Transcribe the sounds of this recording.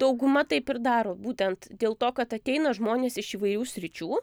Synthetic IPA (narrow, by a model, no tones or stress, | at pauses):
d̪̥ɐʊɡʊmɐt̪ɐɪpɪrd̪ɑːɾoːbuːt̪ʲɛnt̪d̪ʲeːlˠt̪oːkɐt̪ɐt̪ʲɛɪnɐʒmoːnʲeːsɪʃiːʋɐɪɾʲuːsʲɾʲɪt͡ʃʲuː